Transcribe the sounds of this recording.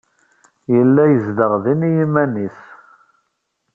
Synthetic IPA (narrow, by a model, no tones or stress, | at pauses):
jəlːæjəzd̪əʁðinijimænis